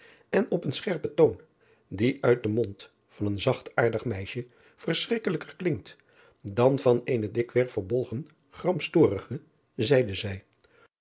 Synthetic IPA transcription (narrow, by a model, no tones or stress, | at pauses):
ɛnɔpənsχɛɹpətown | diʔœɥt̚dəmɔnt | fɑnənzɑχtaːɹdəχmɛjʃə | v̥əɹsrɪkələkəɹklɪŋ̚t | dɑnvɑnejnədɪkʋɛɹfəɹbɔlˠχən | χrɑmpstʊːrəχə | zɛjdəzɛj